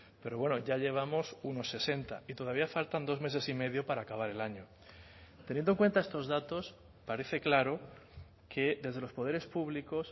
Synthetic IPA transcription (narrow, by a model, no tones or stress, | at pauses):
pe̞ɾo̞βwe̞no̞ʝaʎe̞β̞amo̞suno̞sːe̞se̞nt̪a̰it̪o̞ð̞aβiafalt̪and̪o̞zme̞s̬e̞sime̞ðjo̞paɾaːkaβ̞aɾe̞laɲo̞ | t̪enjendoŋkwe̞nt̪ae̞st̪o̞zðat̪o̞s | paɾe̞θe̞klaɾo̞ | kʰe̞d̪e̞zðe̞lo̞spo̞ðeɾe̞spuβliko̞s